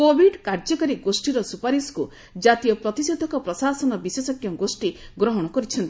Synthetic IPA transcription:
kobʱiɖkaɾd͡ʒɔkɔɾiɡosʈiɾɔsupaɾisku | d͡ʒat̪ijɔpɾɔt̪ised̪ʱɔkɔpɾɔsasɔnɔbisesɔkjɔɡosʈiɡɾɔɦɔɽ̃ɔkɔɾit͡ʃʰɔnt̪i

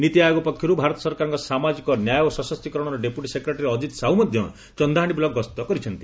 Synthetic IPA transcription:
nit̪iajoɡɔpɔkʰjɔɾubʱaɾɔt̪ɔ̥sɔɾkaɾɔŋkɔsamad͡ʒikɔnjajosɔsɔst̪ikɔɾɔɽ̃ɔɾɔɖepjuʈisekɾeʈɾeɔd͡ʒit̪saɦumɔd̪ʱjɔ̰ | t͡ʃɔnd̪aɦaɽ̃ibilɔɡɔst̪ɔkɔɾit͡ʃʰʌnt̪i

